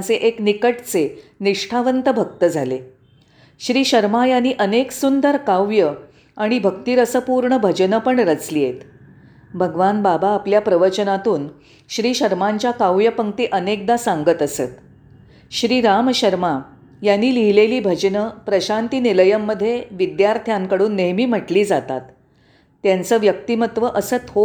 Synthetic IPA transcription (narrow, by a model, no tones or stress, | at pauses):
t͡seʔeknikəʈt͡seniʂʈʰaʋənt̪əbʱək̚t̪əd͡zʱale | ɕɾiːɕəɾmajanːiːʔəneksund̪əɾkaʋjə | aɽ̃ibʱəkt̪iːɾəsəpuɾɳəbʱəd͡ʑnəpəɳɾət͡slijet̪ | bʱəɡʋanbabaːpljapɾəʋəɾt͡ɕənat̪uːn | ɕɾiːɕəɾmaɲt͡ɕjakawʋjəpəŋ̚t̪iːʔənek̚d̪asãŋɡət̪əsə̰t̪ | ɕɾiːɾamɕəɾma | janːiːliɦileliːbʱəd͡ʑnəpɾəɕant̪iːniləjəmːəd̪ʱːjeʋid̪jaɾt̪ʰjaŋkəɽuːnːeɦmiːm̤əʈliːd͡zat̪a̰t̪ː | jant͡səːʋjək̚t̪imət̪ʋəʔəsət̪ʰɦo